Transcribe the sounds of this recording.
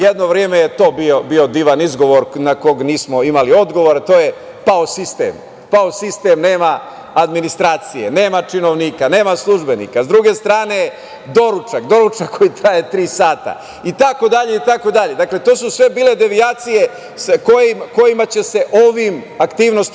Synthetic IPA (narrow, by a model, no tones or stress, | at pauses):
jed̪no̞ʋɾjemejet̪o̞ːbiobio̞d̪iːʋanizɡo̞ʋo̞ɾnako̞ɡniːsmo̞imalio̞d̪ɡo̞ʋo̞ɾat̪o̞ːje̞ | paosist̪ḛm | paosist̪e̞mne̞ːma | ad̪minist̪ɾaːt̪sije̞ne̞ːmat͡ʃino̞ʋniːkane̞ːmaslˠuʒbe̞nḭːkazd̪ɾuɡe̞st̪ɾaːne̞ | d̪o̞ɾut͡ʃakd̪o̞ɾut͡ʃakko̞jit̪ɾaje̞t̪ɾiːsaːt̪a̰ | it̪ako̞d̪aʎeit̪ako̞d̪aʎe̞d̪akle̞t̪osusʋe̞biːle̞d̪e̞ʋiaːt̪sije̞ | sakojimko̞jimat͡ɕe̞se̞ʔoʋimakt̪iːʋno̞st̪